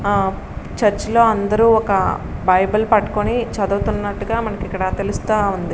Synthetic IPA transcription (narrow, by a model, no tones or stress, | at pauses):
t͡ʃɐɾt͡ʃlo̞ːɐnd̪ɐɾuːɔkɐbɐjbɐlpɐʈːu̥konit͡ʃɐd̪uːt̪unːɐʈːuɡaːmɐnɐkikːɐɽɐt̪e̞lust̪aːund̪i